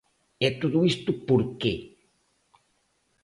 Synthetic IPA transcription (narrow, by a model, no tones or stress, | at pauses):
et̪ud̪uist̪upoɾke